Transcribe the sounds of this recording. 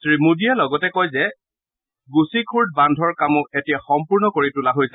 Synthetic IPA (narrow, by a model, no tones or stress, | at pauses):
stɹimudialɔɡɔtɛkɔjzɛ | ɡusikʰuɹd̚bandʱɔɹkamʊetijaxɔmpuɹnɔkoɹitulaɦojsɛ